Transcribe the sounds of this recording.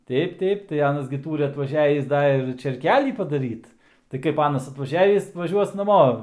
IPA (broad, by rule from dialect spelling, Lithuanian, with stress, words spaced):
ˈtʲɛɪp ˈtʲɛɪp tɐɪ ˈɑːnɐs ɡʲɪ ˈtuːrʲɪ ɐtʋɐˈʒʲæːʋʲiːs ˈdɐ ɪr t͡ʃʲeːrʲˈkʲæːlʲiː pɐdɐˈrʲiːt tɐɪ ˈkɐɪp ˈɑːnɐs ɐtʋɐˈʒʲæːʋʲiːs ʋɐˈʒʲuɔs nɐˈmoː